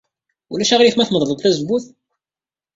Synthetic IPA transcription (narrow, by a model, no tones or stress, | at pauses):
ulæʃæʁɾifmæθməðˤðˤəðˤθæzəbuθ